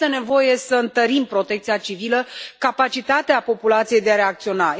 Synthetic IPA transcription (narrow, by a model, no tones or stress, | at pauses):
t̪e̞ne̞vo̞je̞səɨnt̪əɾimpɾo̞t̪e̞k̚t̪siat͡ʃiviləkapat͡ʃit̪at̪eapo̞pulat̪sije̞jd̪eaɾe̞ak̚t̪sio̞na